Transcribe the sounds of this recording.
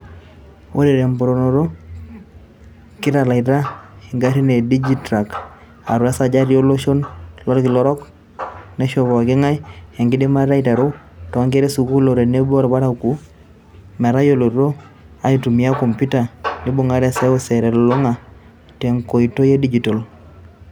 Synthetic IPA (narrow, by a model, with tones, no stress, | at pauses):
o˦ɾɛ˨ɾɛ˨mpɔ˨ɾo˨no˨ɾo˦ | ki˦ɾa˨la˨i˨ta˦hɛ˨ŋɡa˦ɾi˦ne˨di˦d͡ʒi˦tɾa˨k | a̰˨ɾwa˦sa˨d͡ʒa˦ɾjo˦lo˦ʃo˦nlɔ˦ɾɔ˦ki˨lɔ˦ɾɔ˦k | nɛ˦ʃɔ˨bɔ˨a˨ke˦ŋa˦jɛ˨ŋɡɪ˦di˦ma˦ɾa˦ita˨ɾo˦ | tɔ˨a˦ŋɡe˦ɾɛ˦su˨ku˦lo˨ɾɛ˨ne˦bɾba˦ɾa˦ku˦ | mɛ˨ɾa˦jo˦lo˨ɾo˦ | a˨i˨tu˨mi˨a˦kɔ˨mpu˦ta˨ni˦bo˨ŋa˨˦ɾɛ˦sɛ˦o˦sɛ˨ɾɛ˨lɔ˨lo˦ŋa˨ | tɛ˨ŋko˨i˨to˦je˦di˦d͡ʒi˨to˨l